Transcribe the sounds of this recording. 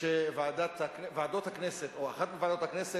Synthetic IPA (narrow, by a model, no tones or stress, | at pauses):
evaːd̪at̪haknevaːd̪o̞t̪hakneset̪o̞aχat̪̚mevaːd̪ot̪haknese